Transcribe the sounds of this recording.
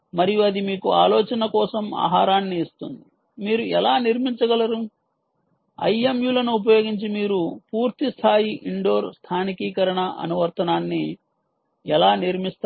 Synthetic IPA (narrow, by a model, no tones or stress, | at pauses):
mɐɾijuɐd̪imiːkua̰ːloːt͡ʃɐnɐkɔːsɐma̰ːɦaːɾaːnːiːst̪und̪i | miːɾuɛlaːniɾmiɲt͡ʃɐɡɐlɐɾu | ɐ̰jemjuːlɐnuːp̬ɐjoːɡiɲt͡ʃimiːɾupuːɾt̪ist̪ʰaːjiʔiɳɖo̞ːɾst̪ʰaːnikiːkɐɾɐɳɐʔɐ̰nuʋɐɾt̪ɐnaːnːi | ɛlaːniɾmist̪ː